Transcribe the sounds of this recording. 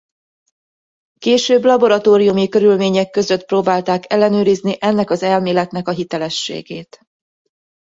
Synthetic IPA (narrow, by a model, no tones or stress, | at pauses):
keːʃøːblɒbo̞ɾɒt̪oːɾijumikø̞ɾylmeːɲɛkːø̞zø̞t̪proːbaːlt̪aːkɛlːɛnøːɾizniʔɛnːɛkɒzɛlmeːlɛt̪nɛkɒɦit̪ɛlɛʃːḛːɡeːt̪